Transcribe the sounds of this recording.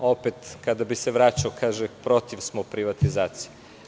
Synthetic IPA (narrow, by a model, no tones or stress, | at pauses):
o̞pet̪kad̪abiseʋɾat͡ɕaokʰaːʒepɾo̞t̪iʋsmopɾiʋat̪izaːt̪sije